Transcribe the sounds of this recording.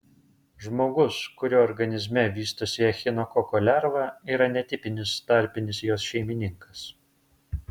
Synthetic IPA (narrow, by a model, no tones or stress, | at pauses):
ʒmoːɡʊskʊɾʲoːɔɾɡɐnʲɪzʲmʲɛʋʲiːst̪osʲɪɛxʲɪnɔkɔkɔːlʲæɾʋɑːiːɾɐnʲɛt̪ʲɪpʲɪnʲɪst̪ɐɾʲpʲɪnʲɪsjoːsʃʲɛɪmʲɪnʲɪŋkɐs